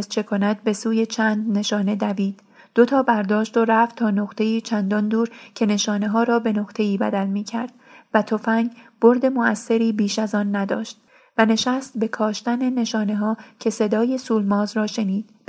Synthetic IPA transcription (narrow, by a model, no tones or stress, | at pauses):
zt͡ʃʰe̞kʰonæt̪̚be̞suːje̞t͡ʃʰæːnd̪ne̞ʃɒːne̞d̪æviːd̪̥ | d̪̥ot̪ʰɒːbæɾd̪ɒːʃt̪o̞ɾæft̪t̪ʰːɒːnoʁt̪ʰe̞iːt͡ʃʰænd̪ɒnd̪uːɾcʰe̞ne̞ʃɒːneɦɒːɾɒːbe̞no̞ɣt̪ʰe̞iːbæd̪ælmiːcʰæɾd̪̥væt̪ʰofæŋɡb̥o̞ɾd̪e̞mo̞æsːe̞ɾiːbiːʃæzɒːnːæd̪ɒ̰ːʃt̪̚ | væne̞ʃæst̪be̞kʰɒːʃt̪æne̞ne̞ʃɒːne̞ɦɒːcʰe̞se̞d̪ɒːje̞suːlmɒːzrɒːʃe̞niːd̪̥